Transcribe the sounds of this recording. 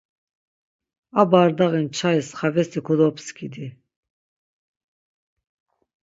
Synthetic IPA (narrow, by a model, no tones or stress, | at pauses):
abaːɾd̪aʁint͡ʃʰaisχavɛst̪ʰikʰɔd̪ɔpʰskʰid̪i